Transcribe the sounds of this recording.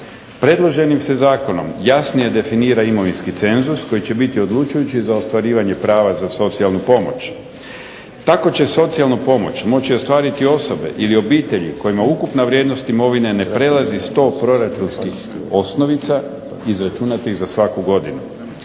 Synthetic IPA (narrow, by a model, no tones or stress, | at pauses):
pɾe̞d̪lˠo̞ʒe̞nimse̞zaːko̞no̞̰mjasnije̞d̪e̞finiːɾaimo̞ʋinskit̪se̞nzusko̞jit͡ɕe̞bit̪io̞d̪lˠut͡ʃujut͡ɕizao̞st̪ʋaɾiːʋaɲe̞pɾaːʋazaso̞t̪sialˠnupo̞mo̞̰t͡ɕ | t̪ako̞t͡ɕe̞so̞t̪sialˠnupo̞mo̞t͡ɕmo̞t͡ɕio̞st̪ʋaːɾit̪io̞so̞be̞̰ʔilio̞biːt̪e̞ʎḭko̞jimaukupnaʋɾʲjed̪no̞st̪imo̞ʋine̞ne̞pɾe̞lazist̪o̞ːpɾo̞ɾat͡ʃunskix | o̞sno̞ʋit̪sa | izɾat͡ʃunat̪iɣzasʋakuɡo̞d̪inu